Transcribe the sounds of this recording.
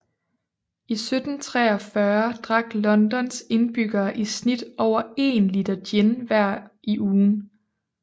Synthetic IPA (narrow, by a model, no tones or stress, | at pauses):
isød̥n̩t͡sʰʁɛ̰ːɒfɶɐd̥ʁɑ̈ɡ̥lɒ̽nd̥ɒ̽nse̝nb̥yɡ̥ɐːʔisnid̥ɒʊ̰ɐe̝̰ːnlid̥ɐd̥jenʋæɐ̰iʔuːn